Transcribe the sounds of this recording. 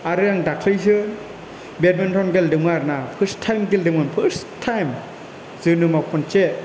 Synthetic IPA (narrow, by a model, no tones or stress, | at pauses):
aɾɯjaŋdakʰlɯjs̬ɯ | bet̚mentʰɔnɡeldɯmaɾnapʰɯɾstʰːajmɡeldɯmanpʰɯɾstʰːajm | zɯnɯmawpʰɔnt͡ʃe